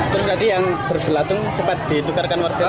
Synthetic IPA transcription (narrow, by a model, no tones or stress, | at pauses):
t̪əɾʊs̬t̪adijaŋb̥ərsəlat̪ʊŋsəpat̪̚d̪̥it̪ukarkanwarse